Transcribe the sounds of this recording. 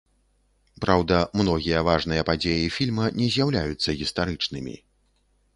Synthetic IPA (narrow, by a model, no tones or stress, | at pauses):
pɾawd̪ɐmnɔɣʲijɐvaʐnɨjɐpad͡zʲejifʲilʲmɐnʲɛzʲjawlʲajut̪sːɐɣʲist̪aɾɨt͡ʂnɨmʲḭ